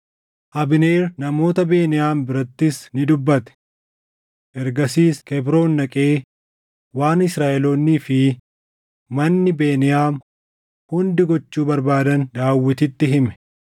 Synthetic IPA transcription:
ʔɐbɪneːɾnɐmo̞ːt̪ɐbe̞ːnɪjaːmbɪɾɐt̪ːɪsnɪd̪ʊbːɐt̪ɛ̥ | ʔɛɾɡɐsiːskɛbɾo̞ːnːɐkʼe̞ː | waːnɪsɾaːʔɛloːnːiːfɪ | mɐnːɪbe̞ːnɪjaːm | hʊnd̪ɪɡɔt͡ʃːuːbɐɾbaːd̪ɐnd̪aːwːɪt̪ɪt̪ːɪɦɪmɛ̥

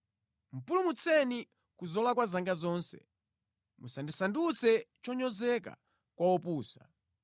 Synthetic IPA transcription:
m̩pulumut͡sʰɛni | kuzɔlakwazaŋɡazɔːnsɛ̥̰ | musandisandut͡sɛt͡ʃɔɲɔzɛka̰ | kwawɔpuːsa

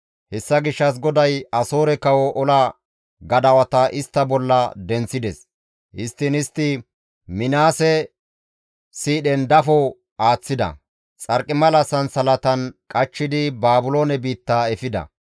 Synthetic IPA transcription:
hɛsːɐɡɪʃːɐs̬ɡɔd̪ɐjɐso̞ːɾɛkɐwɔʔɔlɐ | ɡɐd̪ɐwɐt̪ɐʔɪst̪ːɐbɔlːɐd̪ɛnt͡sːɪd̪ɛs | ʔɪst̪ːɪnɪst̪ːɪ | mɪnaːsɛ | siːɗɛnd̪ɐfɔ | aːt͡sːɪd̪ɐ̰ | t͡sʼɐɾkʼɪmɐlɐsɐnsɐlɐt̪ɐnkʼɐt͡ʃːɪd̪ɪbaːbʊlo̞ːnɛbiːt̪ːaːɛfɪd̪ɐ̰

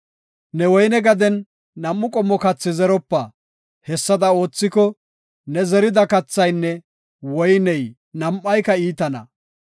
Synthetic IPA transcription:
nɛwɔjnɛɡɐd̪ɛnː | ɐmːʊkʼɔmːɔkɐt͡sːɪzɛɾɔpːɐ | hɛsːɐd̪ɐo̞ːt͡sːɪkɔ | nɛzɛɾɪd̪ɐkɐt͡sːɐjnːɛ | wɔjnɛj | nɐmʔːɐjkɐiːt̪ɐnɐ̰

